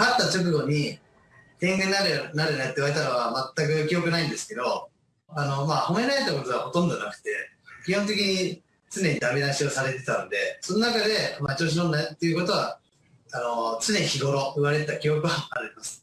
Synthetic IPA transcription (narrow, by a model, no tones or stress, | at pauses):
hat̪ːat͡ɕok̬ɯ̟ɡo̞ɲ̟i | t̪ẽ̞ŋɡeɲaɾnaɾenat̪ːeiɯβaɾe̞t̪ano̞βamat̪ːak̬ɯ̟kʲijo̞kɯ̟naĩnd̪e̞sɨ̥ke̞d̪o̞ | anomaho̞me̞ɾaɾet̪ːako̞t̪o̞ɡaho̞t̪õ̞nd̪o̞nakɯ̟̥t̪e̞ | kʲihõnt̪̬e̞kʲiɲ̟i | t͡sɨne̞ɲ̟id̪amenaɕio̞saɾe̞t̪e̞t̪anod̪e̞so̞nonakad̪e̞mat͡ɕo̞ːɕ̬inonːat̪ːeiɯ̟kot̪o̞βa | ano̞t͡sɨne̞ɲiçiɡo̞ɾo̞ɯ̟βaɾe̞t̪ːakʲijo̞kɯ̟βaːɾɯmasɨ̥